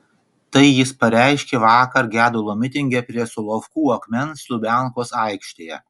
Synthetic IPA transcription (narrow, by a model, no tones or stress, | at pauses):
t̪ɐɪjɪspɐɾʲæˑɪʃʲkʲeːʋɑːkɐɾɡʲæːd̪ʊlˠoːmʲɪt̪ʲɪŋʲɡʲɛpʲɾʲiɛsʊlˠofkuːɐkmʲɛnslʊbʲæˑŋkoːsɑɪkʃʲt̪ʲeːjɛ̰